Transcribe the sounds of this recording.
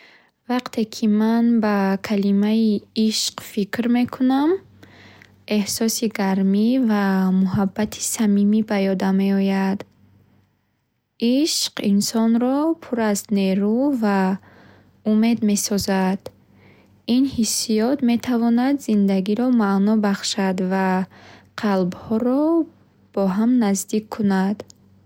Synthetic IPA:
vaqt̪ʰe̞kʰimanbakʰalimaiiʃqfikɾmekʰunam | e̞hsɔsiɡaɾmivamuɦabːat̪ʰi̥samimibajɔd̪ame̞ɔjad̪ | iʃqinsɔnɾɔpʰuɾazneɾuva | ume̞d̪me̞sɔzad̪̥ | inhisijɔt̪me̞t̪ʰavɔnad̪zind̪aɡiɾɔmaʔnɔbaχʃad̪vaqʰalbhɔɾɔ | b̥ɔɦamnazd̪ikʰːunad̪

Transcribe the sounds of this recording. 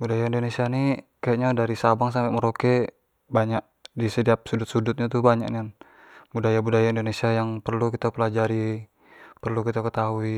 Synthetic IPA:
budajaindonesiani | kajaʔɲadaɾisabaŋsampeʔməɾoke | baɲak̚ | disəd̪iap̚sudʊt̪̚sudʊt̪̚ɲat̪ubaɲa̰knian | budajabudajaindonesiajaŋpərlukit̪apəlad͡ʒaɾi | pərlukit̪akət̪aɦui

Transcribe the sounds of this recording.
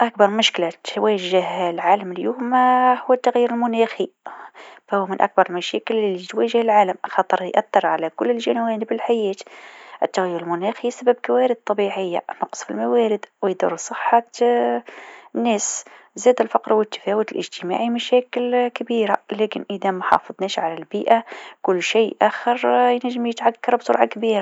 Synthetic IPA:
ʔæk̚bɑɾˤmʊʃklat̪wæʒəhlʕaːləmljuːmhʊwːət̪ːaɣjiːɾəlmʊnæxi | fæhʊwːmənʔæ̰k̚bɑɾˤəlmæʃækəllːit̪wæʒəhəlʕaːləmxɑt̪ˤəɾˤjjʔæθːɑɾˤʕalækʊlːəlʒænwæːnəbəlħajæːt̪ʔət̪ːaɣjːʊɾəlmʊnæxisæbæbkæwæːɾəd̪̚t̪ˤːɑbiʕəjːa̰nʊqsˤfḭlmæwæːɾɪd̪wɪjd̪ṵɾˤsˤəħːɑ | nːæːs | zæːd̪ɪlfɑqɾwɪt̪ːḁfæːwət̪ɪlʔɪ̰ʒt̪əma̰ːʕimæʃæːkɪlkabiːɾalæːkɪnʔəðæmæħɑ̰fɑðˤnɛːʃʕalælbiːʔakʊlːʃeːʔæxəɾˤjnæʒːɪmjət̪ʕakːɑɾˤbsʊ̰ɾʕɑkbiːɾa

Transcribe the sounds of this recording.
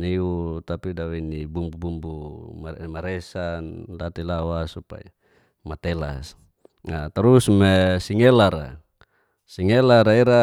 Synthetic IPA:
niut̪apidawinibumbubumbumamaɾesandat̪ilawasupa̰ja | mat̪ela̰s | nat̪aɾusmesiŋelaɾa̰ | siŋelaɾaiɾa

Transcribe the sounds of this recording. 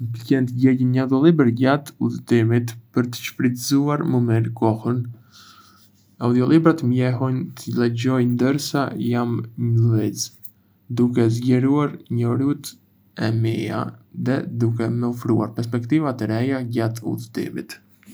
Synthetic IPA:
bəcɛnt̪əɟɛcənɲawd̪ɔlibɛɾɟat̪uðət̪imit̪pəɾt̪ə̥ʃpɾit̪zuaɾməmiɾkɔhən | aud̪iɔlˠibɾat̪mjɛɦɔnt̪əlɛɟɔjnd̪əɾsajamɲəlviz | d̪ukɛzɟɛɾuaɾɲɔɾut̪ | ɛmija̰ðɛd̪ukɛmɛɔfɾua̰ɾpɛɾs̬pɛkt̪ivat̪əɾɛjaɟat̪ṵðət̪ḭmḭt̪

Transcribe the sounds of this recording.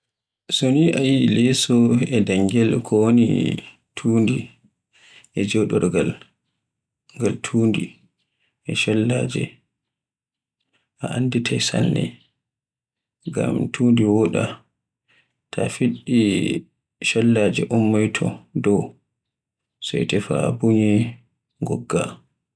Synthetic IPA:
soniʔajilɛsɔɛdaŋɡɛlkʰɔwonḭ | tʰuːndi | ʔɛd͡ʒɛwɗɔɾɡal | ŋɡaltʰuːndi | ʔɛʃɔlːaːd͡ʒɛ̰ | ʔaʔanditʰajsalːɛ̰ | ɡa̰mtʰuːndiwɔɗa | tʰafiɗːi | ʃɔlːad͡ʒɛʔɔmːɔjtʰɔdɔw | sɔjtɛfabuɲɛ | ŋɡɔɡːa

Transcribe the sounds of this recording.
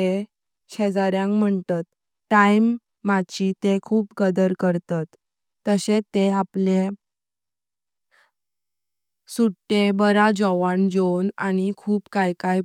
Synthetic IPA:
e | ɕed͡zaɾjãŋkm̤əɳt̪at̪ | ʈajmː | at͡ɕit̪ekʰuːpkəd̪əɾkəɾt̪at̪ː | əset̪eaple | suʈːebəɾad͡ʑɔʋand͡ʑonañikʰuːpkajkaj

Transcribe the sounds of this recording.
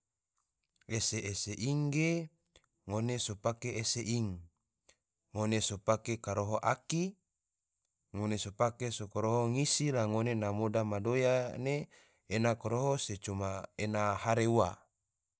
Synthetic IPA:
eseːseʔiŋɡe | ŋonesopakeeseʔiŋ | ŋonesopakekaɾoɦoʔaki | ŋonesopakesokoɾoɦoŋisilaŋonenamodamadojaneː | nakoɾoɦoset͡ʃumaenahaɾeuwa

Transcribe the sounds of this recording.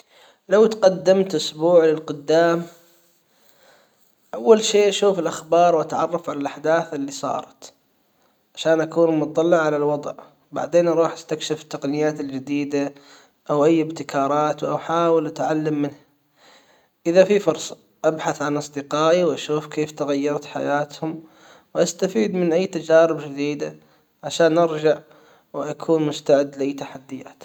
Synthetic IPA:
lawt̪qɑd̪ːɪmt̪ʔʊsbuːʕlɪlqʊd̪ːaːm | ʔawːalʃeːʔaʃuːfɪlʔaxbɑːɾˤwʔat̪ʕɑrˤːɑfʕalalʔaħd̪aːθɪlːisˤɑ̰ːɾˤɑt̪ | ʕaʃaːnʔakuːnlmʊt̪t̪ˤːɑlːɪʕʕalalwɑd̪ˤʕ | ba̰ʕd̪eːnʔɑɾˤuːħast̪akʃɪft̪ːaqnɪjaːt̪ɪld͡ʒɪd̪iːd̪a | ʔawʔajːɪbt̪ɪkʰɑːɾˤɑːt̪wʔawħaːwɪlʔat̪ʕalːamːɪnha | ʔɪðafifʊɾˤsˤɑ | ʔabħaθʕanʔɑsˤd̪ɪqɑːʔiwʔaʃuːfkeːft̪aɣajːɑɾˤt̪ħa̰jaːt̪hʊm | wʔast̪afiːd̪mɪnʔajːt̪ad͡ʒaːɾɪbd͡ʒɪd̪iːd̪a | ʕaʃaːnʔɪɾd͡ʒaʕ | wʔakʰuːnmʊst̪aʕɪd̪ːlɪʔajt̪aħad̪ːɪja̰ːt̪

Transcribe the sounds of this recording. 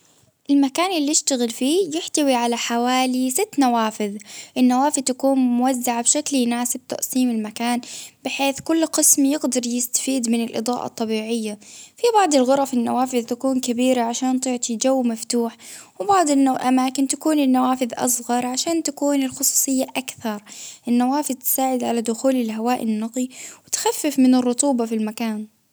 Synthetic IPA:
ʔɪlmakaːnɪlːiɪʃt̪aɣɪlfiːjɪħt̪awiʕalaħawaːlisɪt̪ːnawaːfɪðʔɪnːawaːfɪðt̪akuːnmʊwazːaʕabʃakljɪnaːsɪb̚t̪a̰ʔsiːmɪlmakaːnb̥ɪħeːθkʊlːqɪsmjɪɡd̪ɑɾˤjɪst̪ḁfiːd̪mɪnɪlʔɨ̰d̪ˤɑ̰ːʔɑ̰t̪ˤːɑbiːʕɪjːafibɑʕd̪ˤɪlɣʊɾˤɑfɪnːawaːfɪðt̪akuːnkabiːɾaʕaʃaːnt̪ˤɪʕt̪ˤid͡ʒawːmaft̪uːħwɪbɑʕd̪ˤɪnʔamaːkɪnt̪akuːnɪnːawaːfɪðʔɑ̰sˤɣɑɾˤʕaʃaːnt̪akuːnɪlxʊsˤu̥ːsˤɨjːaʔakθɑɾˤʔɪnːawaːfɪðt̪ɪ̥saːʕɪd̪ʕalad̪ʊxuːlɪlɦawaːʔɪnːɑq̪ˤiwɪt̪xafːɪfmɪnɪrˤːʊt̪ˤuːbɑfilmakaːn

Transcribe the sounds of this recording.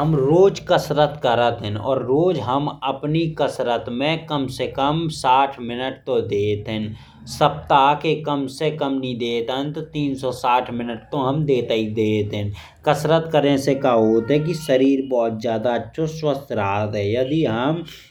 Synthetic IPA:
ɦəmɾoːd͡ʒkəsɾət̪kəɾət̪ɦɛ̃nɔ̰ːɾːoːd͡ʒɦəməpnikəsɾət̪mẽkəmsekəmsaːʈʰmɪnəʈ̚t̪od̪eːt̪ɦɛ̃n | səp̚t̪aːkekəmsekəmnĩd̪eːt̪ɦə̃nt̪t̪iːnsɔsaːʈʰmɪnəʈ̚t̪oɦəmd̪eːt̪əid̪eːt̪ɦɛ̃n | kəsɾət̪kəɾẽsekaɦoːt̪ɦɛ̃k̬iʃəɾiːɾbɔːt̪̚zjaːd̪aətːʃʰoswəst̪ɾaːt̪ɦɛjəd̪iɦəm

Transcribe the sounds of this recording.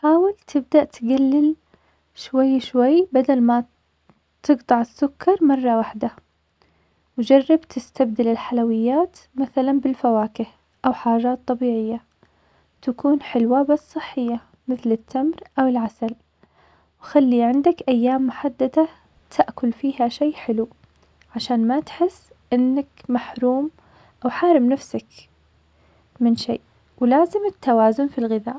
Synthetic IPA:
ħaːwɪlt̪ʰɪb̚d̪aʔt̪ɡalːɪl | ʃwajːʃwajːbad̪alma | t̪ɨɡt̪ˤɑʕɪsːʊkʰːɑɾˤmɑrˤːɑwaħd̪a | wd͡ʒɑrˤːɑbt̪ʰɪst̪ab̚d̪ɪlɪlħalawɪjːaːt̪maθalanbɪlfawaːkɪh | ʔawħaːʒaːt̪ˤːɑbiːʕɪjːa | t̪akuːnħɪlwabasˤsˤɨħːɪjːa | mɪθlɪt̪ʰːamɾʔawɪlʕasal | wxalːiʕɪnd̪akʔajːaːmːʊħad̪ːad̪a | t̪ʰaʔkʊlfiːhaʃeːʔħɪlu | ʕaʃaːnmat̪ħɪsː | ʔɪnːakmaħɾuːm | ʔawħaːɾɪmnafsak | mɪnʃḛːʔ | wlaːzɪmɪt̪ʰːawaːzʊnfilɣɪða̰ːʔ

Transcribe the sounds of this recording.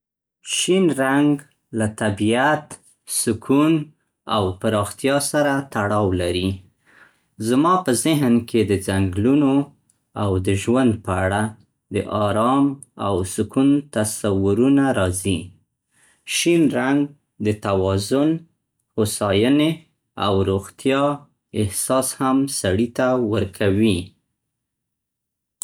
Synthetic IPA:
ʃinɾaŋɡ | lat̪abiat̪ | sʊkʰun | a̰wpaɾɑxt̪jɑsaɾat̪aɽɑwlaɾi | zmɑpəzɪɦnkʰed̪əzaŋɡluno | awd̪əʒwand̪̚pəaɽa | d̪əʔɑɾɑmawsʊkunt̪asawʊɾunaɾɑzi | ʃinɾaŋɡ | d̪ət̪awɑzʊn | hʊsɑjəne | a̰wɾoɣt̪ʰjɑ | ɪhsɑshamsaɽit̪awəɾkʰawi

